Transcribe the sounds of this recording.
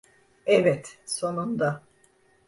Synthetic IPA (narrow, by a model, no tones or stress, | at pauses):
ɛvɛt̪so̞nund̪a